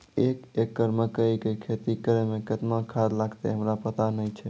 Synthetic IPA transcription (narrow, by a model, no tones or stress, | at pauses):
ekekːəɾməkəikekʰet̪ikəɾemekət̪mãkʰad̪laɡt̪ḛɦəmɾapət̪anəjt͡ʃʰɛ